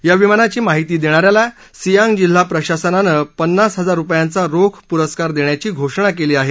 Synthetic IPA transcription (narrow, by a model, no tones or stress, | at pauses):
jaʋimanat͡ɕiːmaɦit̪iːd̪eɽ̃aɾjala | sijãŋɡd͡ʑil̤ːapɾəɕasənanəpənːasɦəd͡zaɾːupjant͡saɾokʰpuɾəskaɾd̪eɳjat͡ɕiːɡʱoʂɳ̃ak̬eliːaɦe